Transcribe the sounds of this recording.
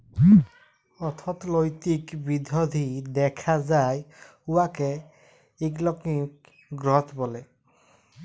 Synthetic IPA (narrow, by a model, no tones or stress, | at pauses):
ɔt̪ʰɔt̪lojt̪ikbidʱɔd̪ʱidɛkʰazaj | uwakɛ | iklɔkik̚ | ɡɹɔt̪ʰbɔlɛ